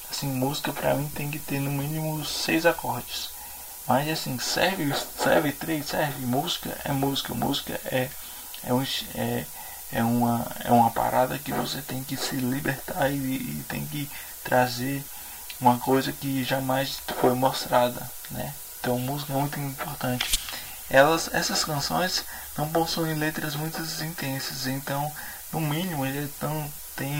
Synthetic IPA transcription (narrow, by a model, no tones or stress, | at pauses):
asĩmuzikɐpɾɐ̰mĩt̪ẽj̃kɪt̪eɾnʊ̃mĩnimʊsejzakɔɾt͡ʃɪ̥s | mɐzasĩsɛɾvssɛ̰ɾvɪt̪ɾejsɛɾvɪmuzikɐ̰ʔɛ̰muzikɐ̰mṵzikɐ̰ʔɛ | ɛ̰ũɛ | ɛũmɐɛ̰ũmɐpa̰ɾʔad̪ɐ̰kɪvo̰set̪ẽj̃kɪsɪlibeɾt̪aɪ̰ːt̪ḛ̃j̃kɪ | t̪ɾʔazeɾ | ũmɐkojzɐkɪʒamajsfojmost̪ɾad̪ɐ̰nɛ̰ẽnt̪ɐ̃w̃muzikɐɛmũj̃t̪ʊĩpoɾt̪ɐ̃nt͡ʃɪ̥ | ɛlɐzɛ̰sɐskɐ̃sõ̰j̃s | nɐ̃w̃põsɐ̃w̃ẽlet̪ɾɐzmũj̃t̪ɐzĩnt̪ẽsɐzẽnt̪ɐ̃w̃ | nʊmĩnimʊelɐnɐ̃w̃ | t̪ẽj̃